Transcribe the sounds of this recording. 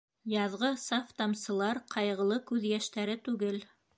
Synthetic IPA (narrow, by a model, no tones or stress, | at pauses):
jɑðʁɤsaft̪ɑmsɤ̆lˠɑɾqʰɑjʁɤ̆lˠɤkʉðjæʃt̪æɾɘt̪ʉɡɘl